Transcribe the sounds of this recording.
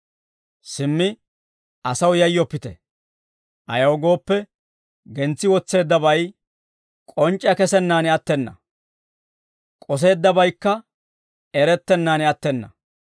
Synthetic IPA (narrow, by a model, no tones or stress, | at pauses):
sɪmːɪ | ɐsɐwjɐjːɔpːɪt̪ɛ | ʔɐ̰jɐwɡo̞ːpːɛ | ɡɛnt͡sːɪwɔt͡sːe̞ːd̪ːɐbɐj | kʼɔnt͡ʃʼːjɐkɛsɛnːaːnɛɐt̪ːɛnːɐ̰ | kʼɔs̬e̞ːd̪ːɐbɐjkːɐ | ɛɾɛt̪ːɛnːaːnɛɐt̪ːɛnːɐ